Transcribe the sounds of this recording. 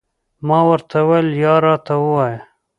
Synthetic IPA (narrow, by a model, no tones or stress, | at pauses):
mɑːwəɾt̪ʰaweljɑːɾɑt̪awəwɑja